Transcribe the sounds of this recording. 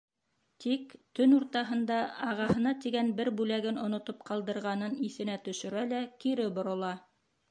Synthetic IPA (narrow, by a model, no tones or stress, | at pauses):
t̪ikt̪ɵnuɾt̪ɑɦɤ̆nd̪ɑɑʁɑhɤ̆nɑt̪iɡænbɘɾbʉlæɡɘnŏnŏt̪op̚qɑlˠd̪ɤ̆ɾʁɑnɤniθɘ̆næt̪ɵ̆ʃɘ̆ɾælækiɾɘbŏɾŏlˠɑ